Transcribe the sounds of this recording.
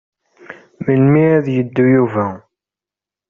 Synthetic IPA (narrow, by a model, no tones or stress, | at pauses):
məlmiæðjəd̪ːujuvæ